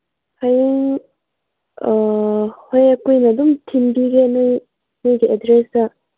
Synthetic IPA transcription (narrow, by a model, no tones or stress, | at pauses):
hajiŋ | hojɐkujnɐdumtʰimbiɡenɯj | nɯjɡiedɾesɐ